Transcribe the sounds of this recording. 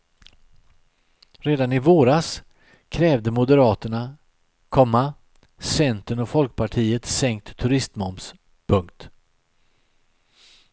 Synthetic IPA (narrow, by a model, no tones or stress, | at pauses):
ɾeːd̪anɪvoːɾas | kʰɾɛːvd̪əmʊd̪əɾɑːt̪əɳa | kʰɔmːa | sɛnt̪ənɔfɔlk̚pʰaʈʰiːət̪sɛŋk̚t̪ʰːɵɾɪst̪mɔms | pʰɵŋkt̪